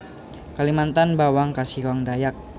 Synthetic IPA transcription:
kalimant̪anbawaŋkasikawaŋdajak̚

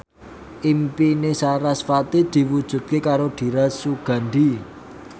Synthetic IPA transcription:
ʔimpinesaɾasfat̪id̪̥i̤wud̥ʒ̥ṳt̪̚kekaɾoɖ̪̥i̤ɾasuɡ̥a̤nd̪i

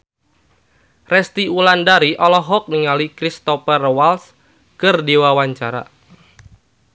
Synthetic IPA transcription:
rɛst̪iulandaɾiʔɔlɔɦɔk̚niŋalikɾist̪ɔpərwals | kərdiwawaɲt͡ʃaɾa̰

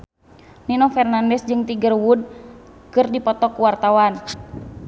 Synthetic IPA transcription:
ninɔfɛrnandɛsd͡ʒɨŋt̪iɡərwud̚ | kɨrdipɔt̪ɔkuwart̪awan

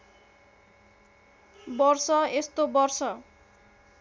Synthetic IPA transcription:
bɔrsʌest̪obʌrsʌ

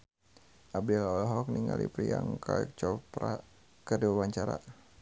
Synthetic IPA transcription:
ʔab̚dɛlɔlɦɔk̚niŋɡalipɾiaŋkʰaɛk̚t͡ʃɔpɾa | kədiwawaɲt͡ʃaɾa̰

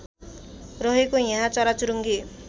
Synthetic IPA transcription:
rʌɦekojaɦãt͡sʌɾat͡suɾuŋɡe

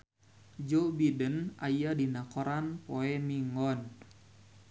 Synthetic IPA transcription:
d͡ʒɔbidəna̰jadinakɔɾanpoɛmiŋɔn

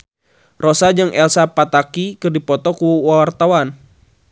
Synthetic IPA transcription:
rosad͡ʒɨŋʔɛlsapat̪akikɨrdipɔt̪ɔkuwawart̪awan

